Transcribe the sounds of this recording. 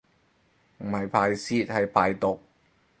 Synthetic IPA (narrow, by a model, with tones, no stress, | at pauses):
m̩˨˩hɐ˨jpʰaː˨˧jsiː˧˥t̚hɐ˨jpʰaː˨˧jt̪ʊ˨k̚